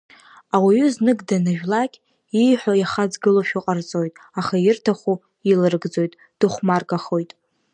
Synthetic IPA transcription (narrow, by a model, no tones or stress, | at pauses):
awiɥʏznɨɡdanaʒᶣlakʲʼ | ijħʷᶣojaχad͡zɡɨloʃᶣiqʼart͡sʼo̞jtʼ | aχajɪrtʰaχʷu | ilɨrɡd͡zo̞jtʼ | d̥ɨχʷmarɡaχo̞jtʼ